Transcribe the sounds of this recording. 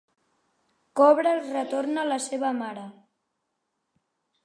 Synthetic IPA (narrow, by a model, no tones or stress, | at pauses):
kɔβɾəlˠrət̪oɾnələseβəmaɾə